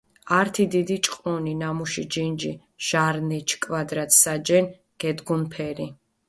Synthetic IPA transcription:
aɾt̪ʰid̪id̪it͡ʃʼqʼɔninamuʃid͡ʒind͡ʒi | ʒ̥aɾnɛt͡ʃʰkʼvad̪ɾat̪ʰsad͡ʒɛn | ɡ̥ɛd̪ɡunpʰɛɾi

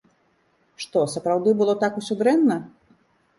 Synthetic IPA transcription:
ʂt̪ɔsɐpɾawd̪ɨbɨlˠɔt̪akusʲɔd̪ɾɛnːɐ

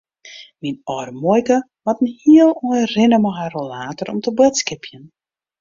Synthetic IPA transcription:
minɔrmɔjkə | ʋɔtən̩hiəlˠɔjrɪnəmɔɦarolaːtɔɾɔ̰mtəbøtskɪpʰjən

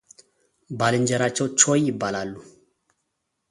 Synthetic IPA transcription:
balind͡ʒɛɾat͡ʃɔt͡ʃɔjibalalːu

